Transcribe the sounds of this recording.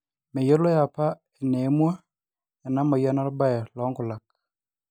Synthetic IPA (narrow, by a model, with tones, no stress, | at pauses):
mɛ˨jo˦lɔ˦ja˨pa˦ | e˨ne˨˦mwa˦ | ja˨na˦ma˨ja˦na˦ɾɔ˦ba˦ɛ˨lɔ˨˦ŋɡʊ˨la˨k̚